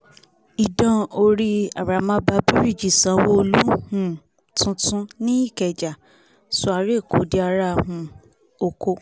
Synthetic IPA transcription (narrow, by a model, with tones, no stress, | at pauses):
i˨dã˨˧o˧ɾi˧a̰˨ɾa˨mã˧˦ba˧bi˦ɾi˦˨d͡ʒi˨sã˨˦wo˦o˧lu˦hũ˦˨ | tũ˧˦tũ˦nĩ˦i˦˨kɛ˨d͡ʒa˨ | su˧˦a˧ɾe˦˨ko˨˦di˧a˧ɾa˦˧ɦũ˧ | o˧ko˧